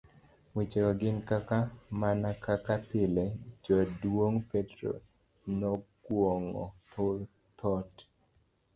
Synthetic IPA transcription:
wit͡ʃeɔɡɪnkakamanakakapɪled͡ʒɔdwoŋpetɾo̰ | nɔkwoŋɔ̰t̪o | t̪ʰɔt

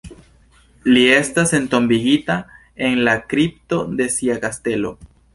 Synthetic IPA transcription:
lie̞stase̞nto̞mbiɡita | e̞nlakɾip̚to̞de̞siakaste̞lo̞̰

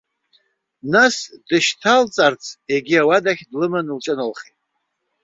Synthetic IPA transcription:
nasdɨʃtʰalt͡sʼart͡sʰe̞ɡʲiawadaχʲdlɨmɨnlt͡ʃʼɨnɨlχetʼ

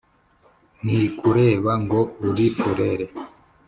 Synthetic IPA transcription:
nikuɾeβaŋɡouɾifuɾeɾe

